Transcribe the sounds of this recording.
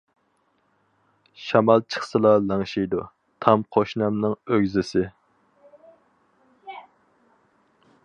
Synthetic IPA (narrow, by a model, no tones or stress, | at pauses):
ʃɑmɑlˠt͡ʃʰə̥χsɨlˠɑlɑŋʃijd̪u | t̪ʰɑmqʰoʃnɑmnɨŋøɡʲzɪsɪ